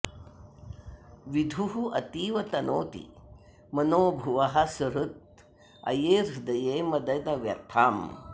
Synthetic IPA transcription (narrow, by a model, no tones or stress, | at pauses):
ʋid̪ʱuɦuʔɐt̪iːʋɐt̪ɐnoːt̪ḭ | mɐnoːbʱuʋɐɦɐsɐɾut̪̚ | ɐ̰jeːɾd̪ɐjeːmɐd̪ɐjd̪ɐʋjɐ̰ɾt̪ʰaːm